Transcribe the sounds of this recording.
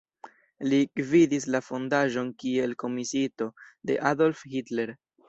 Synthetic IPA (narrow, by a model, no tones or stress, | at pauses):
likvidislafo̞ndaʒo̞nkie̞lko̞misito̞de̞̰ʔado̞lfhitle̞ɾ